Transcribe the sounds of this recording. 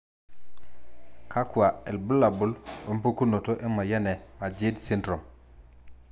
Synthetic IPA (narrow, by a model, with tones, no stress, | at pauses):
kʰa˦ku˨a˨e˨lbu˦la˨bu˦lu˨m˦pu˦ku˦no˨to˦ʔe˦ma˨ja˦nɛ˨ma˨d͡ʒi˦dsi˦ndɾo˨m